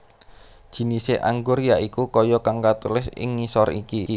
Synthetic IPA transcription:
d̥ʒ̥i̤niseʔaŋɡʊrjaʔikukɔjɔkaŋkat̪ulɪsɪ̰ŋːisɔrḭki

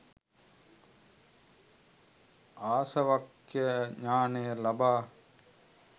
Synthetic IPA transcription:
aːsɐʋak | jəɲaːnejəlabaː

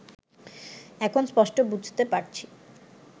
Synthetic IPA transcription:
ɛkʰonspɔʃʈobud͡ʑʱt̪epaɾt͡ɕʰi̥

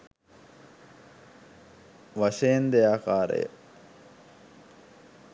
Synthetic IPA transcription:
ʋaʃejend̪eaːkaːɾə̰jə̰

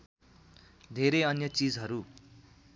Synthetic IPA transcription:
d̪ʱeɾeʌnjʌt͡sid͡zɦʌɾu

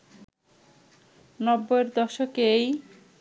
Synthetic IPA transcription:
nɔbːoeɾd̪ɔʃokej

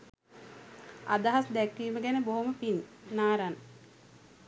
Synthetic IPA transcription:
a̰d̪aɦasd̪ækːiːməɡænəboɦuməpinːaːɾan

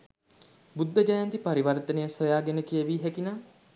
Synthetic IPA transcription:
bud̪ːəd͡ʒajant̪ipaɾiʋɐɾt̪ənəjəsəjaːɡenəkijəʋiːɦɛkinaː

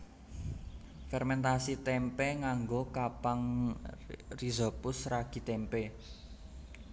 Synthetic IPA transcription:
fɛrmɛnt̪asit̪ɛmpɛŋaŋɡokapaŋ | rizɔpʊsraɡ̥i̤t̪ɛmpɛ

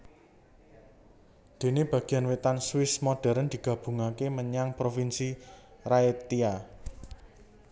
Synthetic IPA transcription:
d̪̥e̤neb̥ä̤ɡ̥i̤anwet̪answɪsmoɖ̥ɛ̤ɾənd̪̥i̤ɡ̥ä̤b̥ṳŋakeməɲaŋpɾofinsiraet̪ia

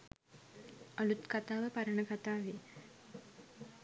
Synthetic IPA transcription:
əlut̪kat̪aːʋəpaɾəɳəkat̪aːʋeː

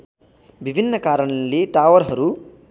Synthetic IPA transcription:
ʋibʱinːɐkaːɾɐɳɐlːiʈaːʋɐɾɦɐɾu

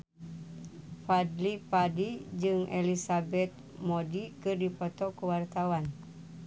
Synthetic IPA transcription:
fadlipadid͡ʒɨŋʔelisabɛt̪̚ | modikɨrdipɔt̪ɔkuwart̪awan

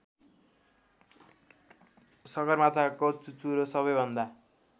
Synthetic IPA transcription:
sʌɡʌrmat̪ʰakot͡sut͡suɾosʌβʌjbʱʌnd̪a

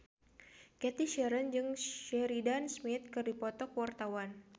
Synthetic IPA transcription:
kɛt̪iʃɛɾənd͡ʒɨŋɛɾidansmɪt̪̚kɨrdipɔt̪ɔkwart̪awan

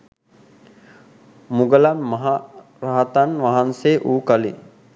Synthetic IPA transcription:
muɡəlanmɐɦa | ɾaɦat̪anʋaɦanseːʔuːkalḭ

